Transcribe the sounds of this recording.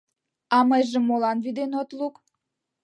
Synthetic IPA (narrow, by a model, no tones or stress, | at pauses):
ɑməjʒə̆mːolɑnβid̪enot̪luk